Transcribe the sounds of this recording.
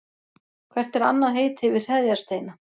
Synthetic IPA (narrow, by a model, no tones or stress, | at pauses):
kʰvɛr̥t̪ɛɾa̰nːaðɦeːjt̪hɪvɪr̥r̥ɛðjḁst̪eːjna